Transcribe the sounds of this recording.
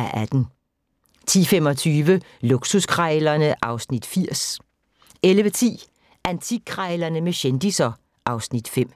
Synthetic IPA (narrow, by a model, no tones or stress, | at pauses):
æʔæd̥n̩ | t͡sʰḭːfemɒ̽t͡sʰyːʋə | luɡ̥suskʰʁɑɪlɐnəʔɑ̈ʊsnid̥fiɐ̰s | elʋət͡sʰḭː | ʔænt͡sʰikʰʁɑɪlɐnəmeɕend̥isɐ | ʔɑ̈ʊsnid̥fem̰